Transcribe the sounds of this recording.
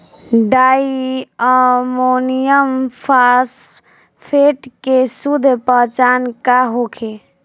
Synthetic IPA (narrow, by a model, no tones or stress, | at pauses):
ɖaiəmonijəmpʰas | pʰeʈkesud̪ʱpəɦt͡ʃankaɦokʰe